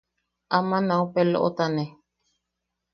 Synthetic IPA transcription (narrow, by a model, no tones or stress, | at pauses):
ʔamãnãupelo̰ʔo̰t̪anẽ